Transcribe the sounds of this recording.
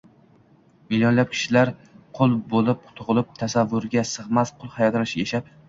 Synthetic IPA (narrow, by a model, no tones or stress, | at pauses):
mɪljonlap̚kʲʰɪ̥ʃɪlaɾqʰolˠbolˠɪp̚t̪ʰʊʁlˠɪp̚t̪ʰasavːʊɾɡʲasɨʁmasqʰʊlˠhajɒt̪ʰlɪʃjeʃap̚